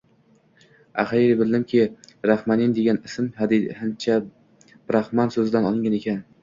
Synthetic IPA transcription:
aχajɾɪbɪlːɪmkʲʰɪɾahmanind̪e̞ɡʲanɪsmhad̪ihɪnt͡ʃʰa | b̥ɪɾahmansɵzɪd̪anɒlˠɪŋɡʲane̞kʲan

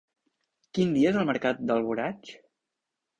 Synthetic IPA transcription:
kind̪iəezəlˠməɾkat̪̚d̪əlˠβuɾat͡ʃ

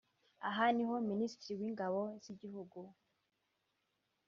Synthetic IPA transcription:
a̰ɦaniɦoministɾiwiːŋɡaβoz̥iɟihuɡu

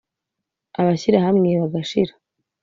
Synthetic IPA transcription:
aβaɕiɾahamŋeβaɡaʃiɾḁ

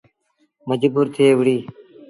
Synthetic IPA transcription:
məd͡ʒbuːɾt̪ʰeeːʋɽiː

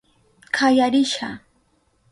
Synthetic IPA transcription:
kʰajaɾɪʃa

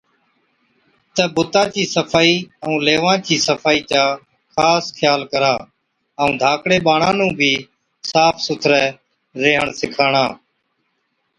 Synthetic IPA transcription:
t̪əɓʊt̪aːt͡ʃiːsəpʰaːiːəũːleːʋãːt͡ʃiːsəfʰaːiːt͡ʃaː | xʰaːskʰjaːlkəɾaː | əũːd̪ʱaːkɽeːɓaːɳãːnũːbʱiː | saːpʰsʊt̪ʰɾɛː | ɾeːɦəɳsɪkʰaːɳãː

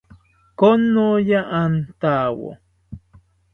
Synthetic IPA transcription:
konːojaʔant̪awo̰

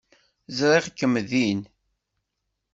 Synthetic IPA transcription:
zɾˤiʁkːəmːðin

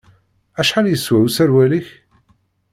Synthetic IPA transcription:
æʃħaljəswæwsæɾwæliç

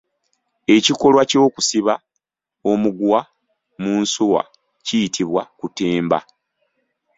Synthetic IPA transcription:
e̞ciko̞lwaco̞ːku̥siβa | o̞muɡwa | muːnsuwa̰ | cijitʰiβwakuteːmba̰

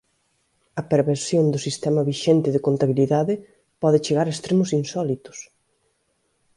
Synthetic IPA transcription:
ɐpeɾβeɾsjõnd̪ʊsist̪ɛmɐβiʃent̪ɪðekont̪aβiliðaðɪ | pɔðɪt͡ʃeɣaɾɐest̪ɾemʊsinsɔlit̪ʊ̥s

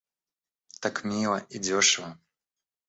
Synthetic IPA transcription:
t̪akmʲilˠɐidʲɔʂɨvə

